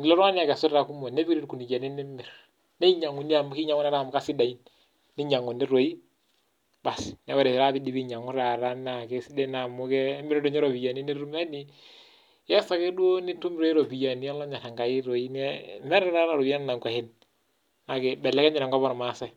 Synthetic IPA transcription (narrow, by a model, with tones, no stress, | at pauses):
n˨lɔ˦ɾa˦ni˦a˨kɛ˨su˦ɾɾa˨ku˦mo˨ne˦bi˦ɾi˦ɾku˨ni˨d͡ʒa˨ni˦ni˦mi˨ɾ | ne˦i˦ɲa˨ŋːu˨ni˦a˨mu˦ki˦ɲa˨ŋu˦na˦ɾa˦˨mu˨ka˦si˦da˨i˦nː | i˦ɲa˨ŋːu˨ni˦ɾo˨ji˦ | ba˨snɛ˦wɛ˨ɾe˨ɾa˦bi˦di˨˦bi˦ɲa˨ŋu˦ɾa˨ɾa˦na˨ke˦si˦dɛ˦na˨mu˦kɛ˦mi˦ɾdo˨ɲɛ˦ɾo˨bi˨ja˨ni˦ni˦ɾu˦mɛ˦ni˨ | jɛ˦sa˨ke˦du˦o˦ni˦tu˦m˦ɾo˨˦i˦ɾo˨bi˨ja˨ni˦a˦llɔ˦ɲa˨ɾa˨ŋɡa˨ji˦ɾo˨i˦n˦mɛ˦ɾɛ˦ɾa˦ɾa˨ɾo˨i˦a˦n˦na˨ŋkʷa˨hɪ˦n | na˨ke˨bɛ˨lːɛ˦kɛ˦ɲɛ˨ɾa˨ŋkɔ˦βɔ˦nɔ˨ma˨sa˦˨